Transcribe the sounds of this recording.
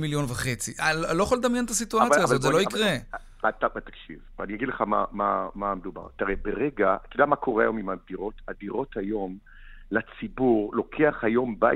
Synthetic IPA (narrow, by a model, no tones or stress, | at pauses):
miljo̞nvaχe̞t͡siʔallojχoled̪amjenet̪asituat͡sjaːzot̪zelo̞ikʁe | tbet̪ḁkʃḭvvḛaniaɡidleχama̰mamamed̪uba̰ʁt̪aʁebeʁeɡakilamakʰo̞ʁeajo̞mimad̪iʁo̞tadiʁo̞thajo̞m | lat͡sibuʁlo̞kʰeaχhajo̞mba̰